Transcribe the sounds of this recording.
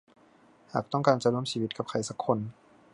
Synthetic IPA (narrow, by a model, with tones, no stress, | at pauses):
haː˨˩k̚t̪ɔ˥˩ŋkaː˨˧nt͡ɕa˧˨nu˧˩ə˨msiː˧wi˧˦t̪̚ka˧p̚kʰa˧˩jsa˧˦kʰːo˧˨n